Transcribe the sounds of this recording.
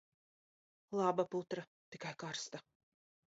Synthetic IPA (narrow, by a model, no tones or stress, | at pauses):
lˠabaput̪ɾa | t̪ikajkaɾst̪a